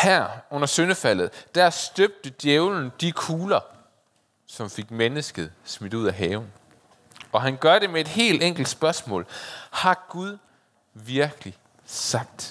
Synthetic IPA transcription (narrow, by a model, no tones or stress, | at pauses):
hæɐ̰ɔ̽n̰ɐsønəfæl̰ð̩ˠd̥æɐsd̥øb̥̚d̥əd̥jeʊln̩d̥ikʰuːlɐ | sɒ̽mfe̝ɡ̥̚menəsɡ̥əð̞̩ˠsmid̥uð̰ˠæɦɛːʊn̩ | ɒ̽ɦænɡ̥ɶɐdɾe̝mee̝d̥he̝̰ːld̥eŋ̰ɡ̥l̩d̥sb̥ɶɐsmɔ̰̽ːlhɑ̈ɡ̥uðˠ | ʋiɐɡ̥əli | sɑ̈ɡ̥̚d̥